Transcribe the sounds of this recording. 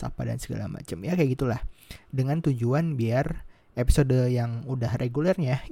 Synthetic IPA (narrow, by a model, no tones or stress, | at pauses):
sa̰pada̰nsəɡa̰la̰ma̰t͡ʃəmjakajaɡit̪ulahdəŋant̪ud͡ʒuanbiar | epi̥sodəjaŋudahrʔeɡulɛrɲa